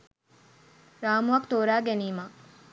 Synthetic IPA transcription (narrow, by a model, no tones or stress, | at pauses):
ɾaːmuɐkt̪oːɾaːɡeniːma